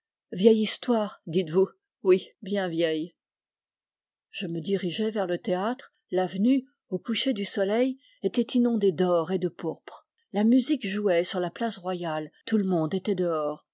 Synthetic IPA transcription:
vjɛjist̪waʁd̪it̪vu | wibjɛ̃vjɛj | ʒ̥əməd̪iʁiʒɛvɛʁlət̪eat̪χ | lavny | okuʃed̪ysɔlɛj | et̪ɛt̪inɔ̃d̪ed̪ɔʁed̪əpuʁpχ | lamyzikʒuɛsyʁlaplasʁwajalt̪uləmɔ̃d̪et̪ɛd̪əɔːʁ

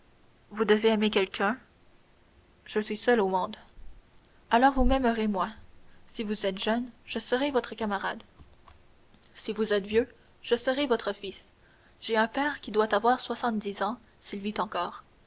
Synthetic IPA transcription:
vud̪əveɛmekʲɛlkʲʰœ̃ | ʒ̥əsɥisœlomɔ̃d̪ | alɔʁvumɛməʁemwasivuzɛt̪ʒ̥œnʒ̥əsəʁevɔt̪χəkamaʁad̪ | sivuzɛt̪vjø | ʒ̥əsəʁevɔt̪χəfis | ʒ̥eɛ̃pɛʁkʲid̪wat̪avwaʁswasɑ̃t̪̚d̪izɑ̃ | silvit̪ɑ̃kɔːʁ

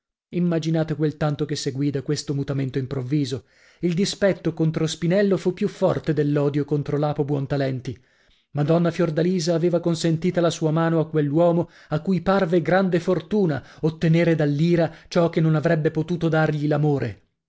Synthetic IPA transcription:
imːad͡ʒinaːt̪ekwelt̪ant̪okesːeɡwiːd̪akwest̪omut̪ament̪oimpɾovːiːzo | ild̪ispɛt̪ːokont̪ɾospinɛlːofupːjufːɔrt̪ed̪elːɔːd̪jokont̪ɾolaːpobwɔnt̪alɛnt̪i | mad̪ɔnːafjord̪aliːzaːveːvakonsent̪iːt̪alasuːamaːnoakːwelːwɔːmo | akːujparveɡɾand̪efort̪uːnaot̪ːeneːɾed̪alːiːɾat͡ʃɔkenːonavɾɛbːepot̪uːt̪od̪arʎilamoːɾʔe

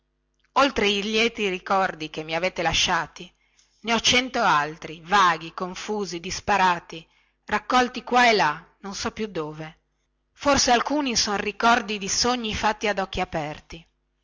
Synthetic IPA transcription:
olt̪ɾeiljɛːt̪iɾikɔrd̪ikemːiaveːt̪elaʃːaːt̪i | neɔt͡ʃɛnt̪oalt̪ɾivaːɡikoɱfuːzid̪ispaɾaːt̪i | rakːɔlt̪ikwaelːa | nonsɔpːjud̪ːoːve | forsealkuːnisonrikɔrd̪id̪isoɲːifat̪ːiad̪ɔkːiapɛrt̪i

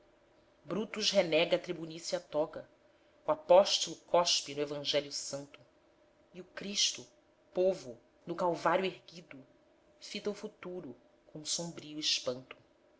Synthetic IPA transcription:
bɾut̪uʃɦenɛɡɐːt̪ɾibunisiɐt̪ɔɡɐ | uapɔʃt̪olˠʊkɔʃpinʊevɐ̃ʒɛljʊsɐ̃nt̪ʊ̥ | iʊkɾiʃt̪ʊ | povʊ | nʊkawvaɾjueɦɡid̪ʊ | fit̪ɐufut̪uɾʊ | kõũsõmbɾiuɪʃpɐ̃nt̪ʊ̥

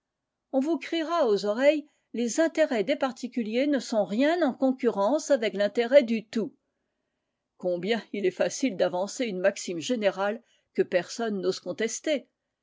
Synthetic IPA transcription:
ɔ̃vukχiʁaozɔʁɛj | lezɛ̃t̪eʁɛd̪epaʁt̪ikʲyljenəsɔ̃ʁjɛ̃nɑ̃kɔ̃kʲyʁɑ̃savɛklɛ̃t̪eʁɛd̪yt̪u | kɔ̃bjɛ̃ilɛfasild̪avɑ̃seynmaksimʒeneʁal | kəpɛʁsɔnːoz̥kɔ̃t̪ɛst̪e

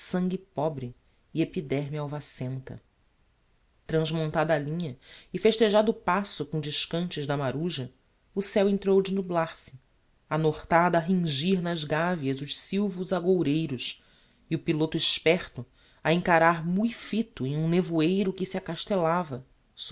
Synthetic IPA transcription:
sɐ̃ŋɡʲɪpɔbɾɪː | epid̪ɛɾmjawvasẽnt̪ɐ̰ | t̪ɾɐ̃zmõnt̪ad̪alĩɲɐɪfeʃt̪eʒad̪ʊpasʊkõd͡ʒɪʃkɐ̃nt͡ʃɪʒd̪ɐmaɾuʒɐ | ʊsɛwẽnt̪ɾowd͡ʒɪnublaɾsɪ̥ | anoχt̪ad̪aɦĩŋʒiɾnɐzɡaviɐzʊʃsiwvʊzaɡowɾejɾʊʃ | iʊpilot̪ʊɪʃpɛχt̪ʊ | aẽŋkaɾaɾmuifit̪ʊẽj̃ũnevuejɾʊkɪsiakaʃt̪elavɐ | s

